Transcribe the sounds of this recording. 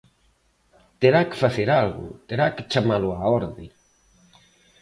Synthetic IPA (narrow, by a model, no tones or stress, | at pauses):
t̪eɾake̥faθeɾalɣʊ̰t̪eɾake̥t͡ʃamalʊaɔɾðe